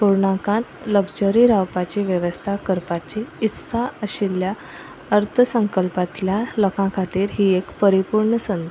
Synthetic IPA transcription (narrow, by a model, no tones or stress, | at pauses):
puɾɳakãt̪ləɡd͡ʑəɾiɾawpat͡ɕiʋjəʋəst̪ʰakəɾpat͡ɕiːt̪saəɕilja | əɾt̪ʰəsəŋkəlpat̪ljaləkʰãkʰat̪iːɾɦiːekpəɾipuɾɳəsənd̪ʱ